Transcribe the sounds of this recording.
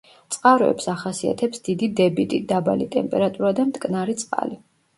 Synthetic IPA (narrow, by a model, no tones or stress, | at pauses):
t̪sʼqʼaɾɔɛ̰psaχasia̰t̪ʰɛpsd̪̥id̪id̪ɛbit̪ʼid̪aba̰lit̪ʼɛmpʼɛɾat̪ʼuɾad̪amt̪ʰʼkʼnaɾit̪sʼqʼa̰li